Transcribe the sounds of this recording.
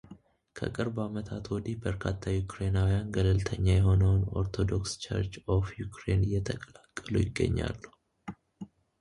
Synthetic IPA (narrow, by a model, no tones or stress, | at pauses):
kʰə̰kʼɨɾbamət̪ʰat̪wɔd̪ibəɾkʰat̪ʰːajukɾe̞nawijanɡəlɨlt̪ʰəɲːajɛɦo̞nəwno̞̰ɾt̪ʰo̞d̪o̞kst͡ʃʰə̰ɾt͡ʃofjukʰɾenɨjːɛt̪ʰəkʼəlakʼːəlujɪɡːə̰ɲːa̰lːuh